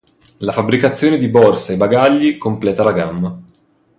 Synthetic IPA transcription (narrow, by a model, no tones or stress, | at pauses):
lafabːɾikat̪sːjoːned̪ibɔrsaebaɡaʎːikomplɛːt̪alaɡamːa